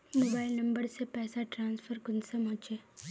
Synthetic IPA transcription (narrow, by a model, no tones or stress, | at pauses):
moːbaːɪlnɐ̃mbəɾsepɛːsaʈɾãːnsfʰəɾkʊnsemɔ̃ɦt͡ʃeː